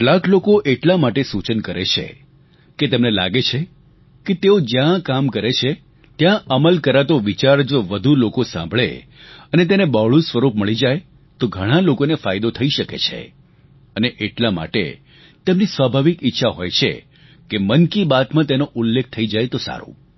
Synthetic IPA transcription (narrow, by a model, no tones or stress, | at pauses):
ʈlãklokoʔeʈlamaʈesut͡ʃənkəɾḛt͡ʃʰḛ | ket̪emnela̰ɡet͡ʃʰe | ket̪eod͡ʒjãkamkəɾet͡ʃʰe | t̪jãʔəməlkəɾat̪oʋit͡ʃaɾd͡ʒoʋəd̪ʱulokosã̰mbʱɭḛ | ənet̪enebaɭũsʋəɾupməɭid͡ʒaj | t̪oɡʱəɽ̃alokonefajd̪ot̪ʰəiʃəkḛt͡ʃʰḛ | əneʔeʈlama̰ʈḛ | t̪emnisʋabʱaʋikɪtːʃʰaɦo̰jt͡ʃʰḛ | kemənkibat̪mãt̪enoʔulːek̚ʰt̪ʰəid͡ʒajt̪osa̰ɾṵ̃